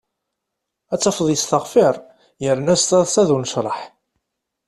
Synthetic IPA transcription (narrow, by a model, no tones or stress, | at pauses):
æt͡sːɑfðˤjəst̪əʁfɪɾˤ | jəɾnæst̪ˤɑðˤsæðunəʃɾˤəħ